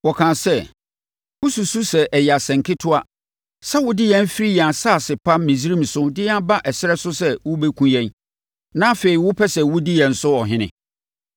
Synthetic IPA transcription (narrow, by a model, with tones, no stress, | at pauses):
wɔ˨kʰãː˨sɛ˦ | wʊ˦su˨su˦sɛ˨ʔɛ˨ja˨sɛ̃˨ŋ˨kʰɪ˦tʰʊ˦a˦ | sɛ˦wʊ˦dɪ˦jɛ̃˦n˦fi˦ɾi˦ja˨sa˦˨sɪ˨pʰa˦mĩ˨si˦ɾĩ˦˨m˨sʊ˦dɪ˦a˦ba˦ʔɛ˨sɪ˦ɾɛ˦sʊ˦sɛ˦wʊ˦bɛ˦kʰũ˦jɛ̃˦n | nã˦fe˨i˨wʊ˦pʰɛ˦sɛ˨wʊ˦dɪ˦jɛ˨n̩˨sʊ˦ɔ˨ɦɪ̃˦nɪ̰̃˨